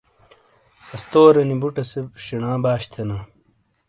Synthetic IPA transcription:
ɐst̪oːɾɐnibuʈɐsebɕiɳãːbaːɕt̪ʰɐna

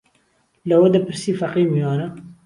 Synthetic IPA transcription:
lɐwɐd̪ɐpʰɨɾsiːfɐqiːwijɑːnɐ

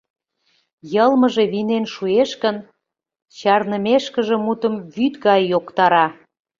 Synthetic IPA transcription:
jəlməʒe̽βinenʃueʃkən | t͡ɕɑrnəmeʃkəʒĕmut̪əmβyt̪ɣɑjːokt̪ɑɾɑ

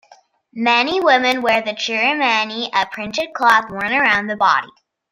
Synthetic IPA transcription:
mɛniwɪ̃mɨ̃nwə˞ðɨt͡ʃʰɪɹɨmæniʔəpʰɹ̥ɪ̃ntɨd̚kʰl̥ɑθwɔɹnə˞ãʊ̃nðɨbɑ̰ɾḭ

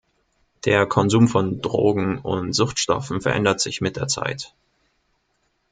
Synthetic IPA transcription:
d̥eːɐkʰɔnzuːmfɔndʁo̰ːɡŋ̩ʊntz̥ʊxtʃtɔ̰fn̩fɛɐʔɛ̰ndɐtz̥ɪçmɪt̚d̥eːɐt͡sa̰ɪt

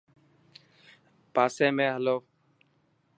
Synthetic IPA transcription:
paːsẽːmẽːɦəloː

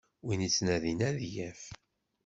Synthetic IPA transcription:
winit͡sːnæðinæðjæf

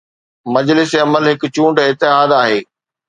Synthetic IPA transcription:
mɐd͡ʑlɪseɐməlɦɪkʊ̆t͡ɕũːɳɖɪt̪ɪɦaːd̪aːɦeː

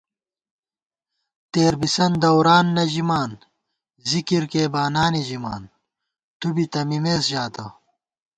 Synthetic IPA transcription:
t̪eːɾbisɐnd̪ɐwɾaːnːɐd͡ʑimaːn | zikiɾkeːbaːnaːnid͡ʑima̰ːn | t̪ubit̪ɐmimeːsʑaːt̪ɐ

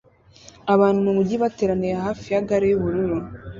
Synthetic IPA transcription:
aβaːn̥humumuɟiβateɾaniɾaɦaːfijaɡaɾejuβuɾuɾu

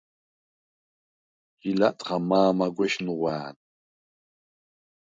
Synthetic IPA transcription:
jilatʼχamaːmaɡʷɛʃnɨʁʷaːn

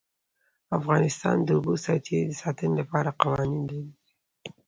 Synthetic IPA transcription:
afɣɑnɪst̪ɑ̰nd̪əubosɑɾt̪ʰeɾid̪əsɑt̪ənɪlapɑɾaqawɑnind̪alid̪i

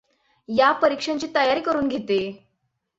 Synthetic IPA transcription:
japəɾikʂãɲt͡ɕiːt̪əjaɾiːkəɾuːnɡʱet̪e

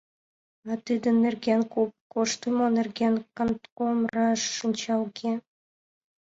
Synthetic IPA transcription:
ɑt̪ɨd̪ə̆nːerɡʲenkop̚koʃt̪əmonĕrɡʲenkɑ̆nt̪komrɑʃːənʲt͡ɕɑlɡʲe

